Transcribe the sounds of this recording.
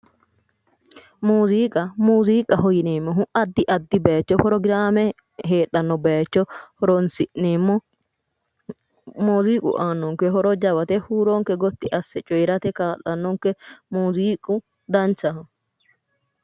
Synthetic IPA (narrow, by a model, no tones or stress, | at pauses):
muːziːkʼɐmuːziːkʼɐɦɔjɪneːmːɔɦʊʔɐd̪ːɪʔɐd̪ːɪbet͡ʃːɔpɾɔɡɪɾaːmɛ | ɦeːᶑɐnːɔbet͡ʃːɔhɔɾɔnsɪʔneːmːɔ | muːziːkʼʊ̰ʔaːnːɔŋkɛɦɔɾɔd͡ʒɐwɐt̪ɛhuːɾoŋkɛɡɔt̪ːɪʔɐsːɛt͡ʃʼɔjɾɐt̪ɛkaːlːɐnːɔŋkɛmuːziːkʼʊ | d̪ɐnt͡ʃːɐ